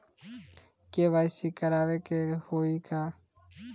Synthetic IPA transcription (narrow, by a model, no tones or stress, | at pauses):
keːʋaːɪsiːkəɾaːʋeːkehoːiːkaː